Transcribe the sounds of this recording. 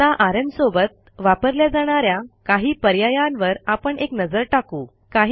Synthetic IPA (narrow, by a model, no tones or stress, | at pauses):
t̪aʔaɾənsobət̪̚ | ʋapəɾljad͡zaɽ̃aɾjakaɦiːpəɾjajanʋəɾapəɳeknəd͡zəɾʈakuː | kaɦ